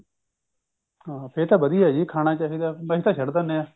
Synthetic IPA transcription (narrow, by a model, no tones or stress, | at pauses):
ɦaːpʰeɾt̪aːbəd̪iːaːd͡ʒiːkʰaːnaːt͡ʃaːɦiːd̪aːməːɦiːt̪aːʃəɽd̪aneaː